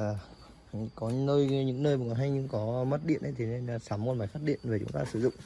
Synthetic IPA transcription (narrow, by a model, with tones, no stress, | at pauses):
kɔ˨˦nəː˧jɲɨ̰˧˥ŋnəː˧jmu˨˩kɔ˨˦ɦa˧jŋɲɨ˧ŋkɔ˨˦mə˦˥t̚ɗḭ˧˨ənʔə˨˧jt̪ʰe˨˦ne˧n˧saː˨˦mko˧˩nmaː˨˩jfaː˦˥t̚ɗḭ˧˨ənve˨˩t͡ɕʊ̰˨˦ŋ͡mt̪aː˧sɨ˧˩zʊ̰˧˨ŋ͡m